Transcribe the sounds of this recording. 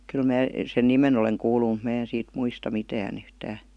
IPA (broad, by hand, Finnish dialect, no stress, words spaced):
kyl mæː sen nimen oleŋ kuːlu mut mæː en siːt muistɑ mitæːn yhtæː